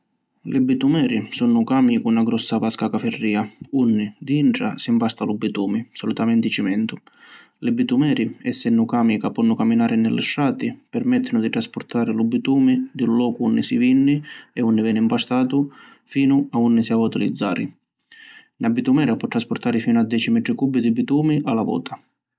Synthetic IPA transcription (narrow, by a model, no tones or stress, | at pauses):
lɪbit̪umɛːɾisunʊkaːmikunaɡɾɔsːavaskakafɛrːiːaunːid̪iiɳʈ̪ɽa̰simpast̪alubːit̪uːmisɔlut̪amɛnt̪it͡ʃimɛnt̪ʊ | lɪbit̪umɛːɾiɛsːɛnːukaːmikapɔnːʊkamːinaːɾɪnɪlːɪ̰ʃːaːt̪ipɛrmɛt̪ʰːɪnʊd̪it̪ɾaspʊɾt̪ʰaːɾɪlubːit̪uːmid̪ilːɔːkuunːisivinːiɛunːivɛːnɪimpast̪aːt̪u | fiːnʊaunːisiavat̪ɪlid̪zːa̰ːɾḭ | nʔabːit̪umɛːɾapɔt̪ːɾaspʊɾt̪aːɾɪfiːnʊad̪ːɛːt͡ʃimɛʈ̪ɾɪkubːid̪ibit̪uːmiʔalavɔ̰ːt̪ʰḁ